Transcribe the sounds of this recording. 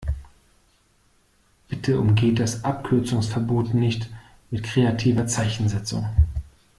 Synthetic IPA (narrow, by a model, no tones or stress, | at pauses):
b̥ɪtʰəʊ̰mɡeːt̚d̥asʔap̚kʰʏɐt͡sʊŋsfɛɐboːtnɪçt | mɪtkʁ̥eːatʰiːvɐt͡saɪçn̩zɛt͡sʊ̰ŋ